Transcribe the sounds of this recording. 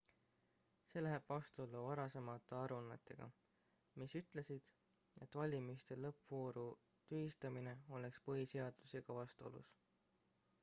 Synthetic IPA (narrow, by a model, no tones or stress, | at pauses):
se̞læɦeb̥vɑst̪olːuvɑɾɑse̞mɑt̪ːˑe̞ɑɾunɑt̪ːˑe̞ɡ̥ɑ̰ | misyt̪ˑle̞sid̪̥ | e̞t̪ːˑvɑlʲimist̪e̞lɤpvo̞ːɾu | t̪yist̪ɑmine̞o̞le̞kspɤɦise̞ɑd̪̥useɡ̥ɑvɑst̪o̞̰lṵs